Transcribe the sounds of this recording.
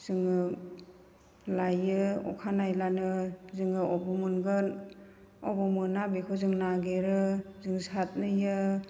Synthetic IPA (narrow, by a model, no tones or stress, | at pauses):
z̥ɯŋɯ | lajɯɔ̰kʰanajlanɯzɯŋɯɔbɔmunɡɯn | ɔbɔmɯnabikʰɔzɯŋnaɡeɾɯzɯŋsat̚nɯjɯ